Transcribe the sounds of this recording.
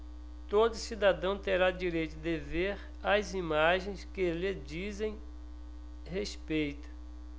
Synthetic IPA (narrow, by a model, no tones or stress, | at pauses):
t̪od̪ʊsid̪ad̪ɐ̃w̃t̪eɾad͡ʒiɾejt̪ʊd̪eveɾ | azimaʒẽj̃skɪled͡ʒizẽj̃ | hespejt̪ʊ̥